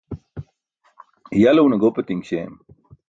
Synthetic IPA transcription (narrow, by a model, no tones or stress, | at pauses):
jɐlɐunɐɡoːpet̪iŋɡɕḛːm